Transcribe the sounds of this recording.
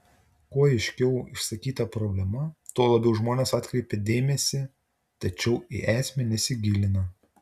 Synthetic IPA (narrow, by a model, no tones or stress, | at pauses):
koːɛɪʃʲkʲɛʊɪ̰ʃsɐkʲiːt̪ɐpɾoːbʲlʲɛmɐt̪oːlˠɐbʲɛʊʒmoːnʲeːsɑːt̪ʲkɾʲɛɪpʲɛd̪ʲeːmʲɛsʲɪ | t̪ɐt͡ʃʲɛʊḭʔæːsʲmʲɛnʲɛsʲɪɡʲɪlʲɪnɐ